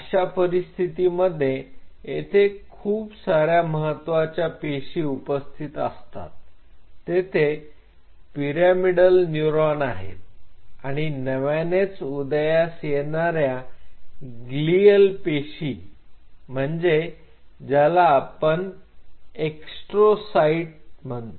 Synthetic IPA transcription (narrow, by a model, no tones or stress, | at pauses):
əɕapəɾist̪ʰit̪iməd̪ʱːjeet̪ʰekʰuːpsaɾjaməɦət̪ːʋat͡ɕjapeɕiupəst̪ʰit̪ə̰st̪a̰t̪ː | et̪ʰe | piɾamiɽəlnjuɾɔnaɦḛt̪̚aɽ̃inəʋanet͡sud̪jasjeɳaɾja | ɡliəlpeɕi | m̤əɳd͡ze | d͡ʑalaːpəɳ | eksʈɾosaiʈm̤ənt̪